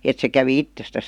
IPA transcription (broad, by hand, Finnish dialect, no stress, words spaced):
et se kæʋi itːestæs